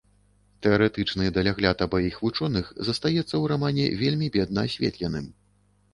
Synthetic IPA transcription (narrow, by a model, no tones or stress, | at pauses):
t̪ɛɐɾɛt̪ɨt͡ʂnɨd̪ɐlʲaɣlʲat̪ɐbɔjixvut͡ʂɔnɨxzɐst̪ajɛt̪sːɐwɾamanʲɛ̰vʲelʲmʲibʲɛd̪̚nɐasʲvʲḛt̪lʲɛnɨm